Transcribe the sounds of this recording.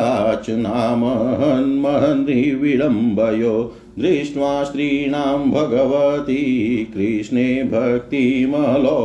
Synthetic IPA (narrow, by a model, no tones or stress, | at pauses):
t͡ʃnaːmɐɦɐnmɐɦɐnɾiʋiɽɐmbʱɐjoː | d̪ɾiʂɳʋaːʃɾiːɳaːmbʱɐɡɐʋɐt̪ikɾiʂɳeːbʱɐk̚t̪imɐɦɐloː